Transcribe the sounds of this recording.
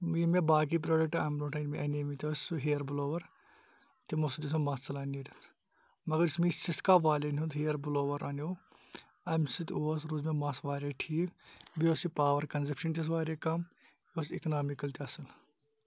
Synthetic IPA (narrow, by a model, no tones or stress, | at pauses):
jimebaːk̬ip̬ɾoːɖɐk̚ʈɐːmnoːʈʰɐnmeʔɐnemit̪ʲossuɦeːɐɾbloːʋɐɾ | t̪imusd̪isumɐsɐlaːniɾit̪ʰ | mɐɡɐɾismisiskaːpaːleniut̪ɦeːɐɾbuloːʋɐɾʔaːnʲoː | ɐmsit̪ʲoːsɾuːzmemɐsʋaːɾeʈʰiːkbioːsipaːʋɐɾkɐnzɐpʰʃɐnt̪ʲɐs̬ʋaːɾeːkɐm | joːsiknaːmikɐlt̪iɐsɐl